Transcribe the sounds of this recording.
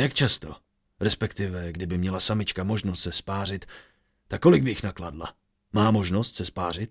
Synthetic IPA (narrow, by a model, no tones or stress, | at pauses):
jakt͡ʃast̪o | ɾɛspɛkt̪ɪvɛɡdɪbɪmɲɛlasamɪt͡ʃkamo̞ʒnost̪sɛspaːr̝ɪt̪ | t̪ːakːo̞lɪɡ̚bɪjɪxnakladla̰ | maːmo̞ʒno̞st̪sɛspaːr̝ɪt̪̚